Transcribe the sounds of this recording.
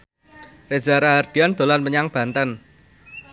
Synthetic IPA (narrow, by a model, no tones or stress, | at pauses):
rezaɾaɦard̪̥i̤and̪̥o̤lanməɲaŋb̥ä̤nt̪ən